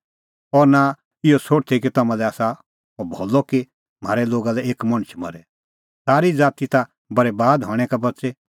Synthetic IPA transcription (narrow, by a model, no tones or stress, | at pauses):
ɔɾna | ɪɔsoːɽt̪ʰikit̪ɐmãlɛaːsa | obʱoːlːɔki | m̤a̰ːɾɛloːɡalɛeːkmɐɽ̃t͡ʃʰmɐ̰ɾɛ | saːɾid͡zaːt̪it̪a | bɐɾebaːd̪ɦɔɽ̃ɛkabɐtːsɛ